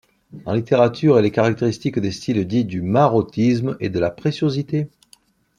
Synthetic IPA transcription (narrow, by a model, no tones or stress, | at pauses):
ɑ̰̃lit̪eʁat̪yʁelekaʁak̚t̪eʁist̪ikd̪est̪ild̪id̪ymaʁɔt̪ismḛd̪əlapχesjozit̪e